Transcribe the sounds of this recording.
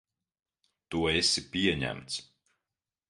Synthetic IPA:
t̪uɔesipʲiɛɲæ̰mt̪s

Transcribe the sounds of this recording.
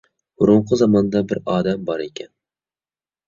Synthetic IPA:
ʊɾʊɴqʰɨzɒmɒnd̪abɪɾɒːd̪ambɒɾe̞kʲʰan

